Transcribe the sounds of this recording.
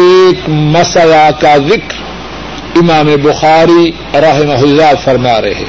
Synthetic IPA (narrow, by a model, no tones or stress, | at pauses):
eːkmɐsəlakazɪkɾ | ɪmaːmebʊxaːɾi | ɾɐɦɪmɐɦʊzaːt̪fɐɾmaːɾɐ̰ɦɛ̰ː